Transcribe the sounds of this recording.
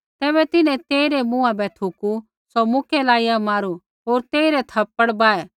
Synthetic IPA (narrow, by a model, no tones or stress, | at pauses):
t̪ɛːbɛt̪ɪnɛ̃t̪eːiɾɛmũːãbɛt̪ʰuku | sɔmʊkʰɛlaːijamaːɾu | ɦoːɾt̪eːiɾɛt̪ʰɐpːəɽbaːɛː